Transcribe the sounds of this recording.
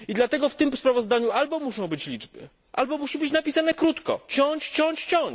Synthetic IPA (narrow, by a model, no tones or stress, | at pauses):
id̪lat̪ɛɡɔft̪ɘmspɾavɔzd̪aɲualbɔmuʂɔ̃w̃bɘt͡ɕlʲid͡ʐbɘ̰ | ʔa̰lbɔmuɕibɘt͡ɕnapʲisanɛkɾut̪kɔ̰t͡ɕɔɲt͡ɕt͡ɕɔɲt͡ɕt͡ɕɔɲ